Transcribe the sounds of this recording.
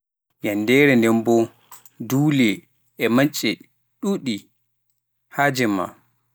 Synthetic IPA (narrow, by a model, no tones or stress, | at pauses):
jandɛɾɛndɛmbɔ | duːlɛ | ɛmat͡ʃʼːɛ | ɗuɗi | had͡ʒɛma̰